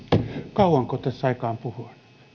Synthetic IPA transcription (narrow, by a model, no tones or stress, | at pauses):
kɑuwɑŋkoːt̪æsːɑikɑːmpuhuɑn